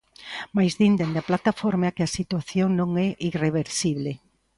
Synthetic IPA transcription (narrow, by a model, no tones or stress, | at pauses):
majzðind̪end̪aplat̪afoɾmeakɪasit̪waθjoŋnõŋɛʔireβeɾsiβle